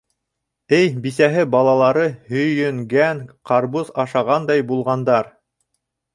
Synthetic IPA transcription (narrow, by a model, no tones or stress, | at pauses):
ɘjbisæɦɘbɑlˠɑlˠɑɾɤhɵ̆jɵ̆ŋɡæŋqɑɾβuzɑʃɑʁɑnd̪ɑjbulˠʁɑnd̪ɑɾ